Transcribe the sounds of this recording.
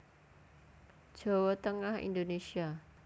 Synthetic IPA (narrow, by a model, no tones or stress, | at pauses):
d̥ʒ̥o̤wɔt̪əŋahḭnd̪onesia